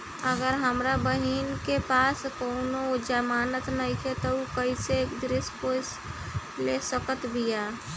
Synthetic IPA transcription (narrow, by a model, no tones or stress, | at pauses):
əɡəɾɦəmɾabəɦiːnkepaːskoʊnod͡ʒəmaːnət̪nəɦĩkʰet̪ɔukəisekd̪ɾɪspos | lesəkət̪bʱijaː